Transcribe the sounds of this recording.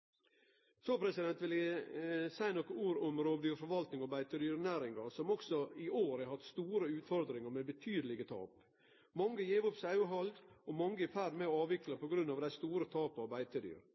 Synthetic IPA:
soːpʰɾɛsɪd̪ɛnt̪ʋɪlæɪsæɪnɔkəuːɾʊmɾoːbd̪yːfɔɾʋɑlt̪nɪŋɑbæɪt̪əd̪yːɾnæːɾɪŋɡɑɾsɔmɔksɔɪoːɾæhɑt̪st̪uːɾəʉːt̪fɔɾd̪ɾɪŋəɾmɛbət̪ʰyːd̪əlɪɡət̪ʰɑ̰ːp | mɑŋːəjeːʋʊpsæɦɑlɡ̪ɔmɑŋːəɪfæɾmɛɑːʋɪklɑpʰɔɡɾʉnːɑːʋd̪æɪst̪uːɾət̪ʰɑːpəɑʋbæɪt̪əd̪y̰ːɾ

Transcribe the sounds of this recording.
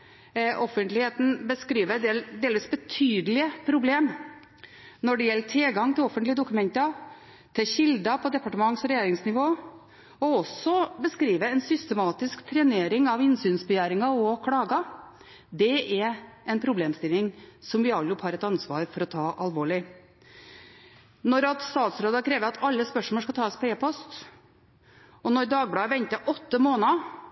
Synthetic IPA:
ʔɔfənt̪lɪheːt̪n̩bəskɾiːʋəd̪eld̪eːlʋiːsbət̪ʰyːd̪əlɪəpʰɾʊbleːm | nɔɖɛjɛlːəʈʰɪlɡɑŋt̪ɪlɔfːənt̪lɪəd̪ʊkʉmɛnt̪ə | t̪ʰɪɕɪld̪ɑpʰɔd̪ɛpɑʈəmɑŋsɔɾɛjeːɾɪŋsnɪʋoː | ɔɔsɔbəskɾiːʋəɛnsʏst̪ɛmɑːt̪ɪskt̪ʰɾɛneːɾɪŋɑʋɪnsyːnsbɛjæːɾɪŋɑɔkʰɽɑːɡɑ | d̪ɛɛɾ | ɛnpʰɾʊbleːmst̪ɪlːɪŋsɔmʋɪɑlʊphɑːɾɛt̪ɑnsʋɑːɾfɔɾɔt̪ʰɑːʔɑlʋoːɭɪ | nɔɾɑt̪st̪ɑːt̪sɾoːd̪ɑkʰɾeːʋəɾɑt̪ʰɑlːəspœʂmɔʂkɑt̪ʰɑːspɔeːpʰɔst̪ | ɔnɔɾd̪ɑːɡ̚bɽɑːʋɛnt̪əʔɔt̪ːəmoːnɑ

